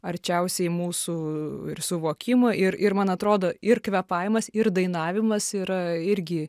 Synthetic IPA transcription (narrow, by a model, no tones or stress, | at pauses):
ɐɾʲt͡ʃʲɛʊsʲɛɪmuːsuːɪrsʊʋoːkʲɪmoʔɪɾɪɾmɐnɐt̪ɾoːd̪oːɪɾkʋʲɛpɑɪmɐsɪɾd̪ɐɪnɑːʋʲɪmɐsiːɾɐɪɾʲɡʲɪ